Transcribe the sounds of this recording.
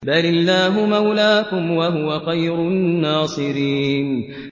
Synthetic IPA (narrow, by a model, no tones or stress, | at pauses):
balɪlːaːɦʊmawlaːkʊmwaɦʊwaxajɾʊnnːaːsˤɨɾiːn